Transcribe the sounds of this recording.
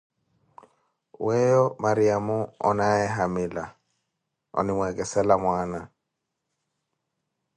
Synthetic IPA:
wɛjɔmaɾiamʊɔ̰naɛɦamɪla | ɔ̰nɪmwɛkʼɛsɛlamwaːna

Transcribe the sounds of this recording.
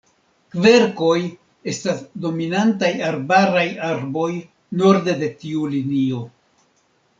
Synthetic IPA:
kve̞ɾko̞j | e̞stasdo̞minantajaɾbaɾajaɾbo̞j | no̞ɾde̞de̞tiulinio̞

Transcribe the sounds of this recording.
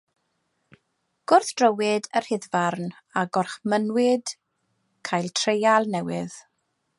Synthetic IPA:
ɡ̥ʊrθd̥rəwɪdər̥hɪðvarn | aɡɔrχmənwɪd̥ | kʰajlˠtʰrejalˠnɛwɪð̥

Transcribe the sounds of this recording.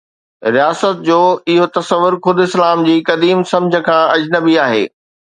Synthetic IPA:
ɾijaːsət̪̚d͡ʑoːɪɦot̪ɐsəʋːʊɾxʊd̪ʱʊɪslaːmd͡ʑiːkɐd̪iːmsɐ̃md͡ʑʱə̆kʰãɐd͡ʑnəbiaːɦḛː

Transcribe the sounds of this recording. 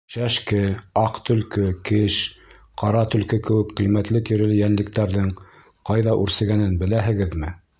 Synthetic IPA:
ʃæʃkɘɑqt̪ɵ̆lkɘkɘʃ | qɑɾɑt̪ɵ̆lkɘkɘ̆wɘkqijmæt̪lɘt̪ĭɾɘ̆lɘjænlɘ̆k̚t̪æɾðɘŋ | qɑjðɑʔʉɾsɘ̆ɡænɘnbɘ̆læɦɘ̆ɡɘðmɘ

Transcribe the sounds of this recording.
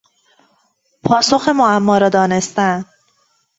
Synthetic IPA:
pʰɒːsoxemoæmːɒːɾɒːd̪ɒːne̞st̪æn

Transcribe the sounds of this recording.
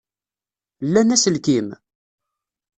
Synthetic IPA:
lːænæsəlkim

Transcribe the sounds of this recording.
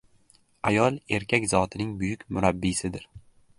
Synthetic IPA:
ajɒlˠe̞ɾkʲʰakʲzɒt̪ʰɪnɪŋbʊjʊkʲmʊɾabːisɪd̪ɪɾ

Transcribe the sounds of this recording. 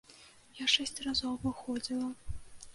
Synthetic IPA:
jaʂɛsʲt͡sʲrazɔwvɨxɔd͡zʲilˠɐ

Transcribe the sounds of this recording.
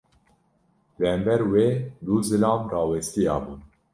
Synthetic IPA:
lɨhɛmbɛɾweːd̪uːzɨlɑːmrɑːwɛst̪ijɑ̰ːbuːn

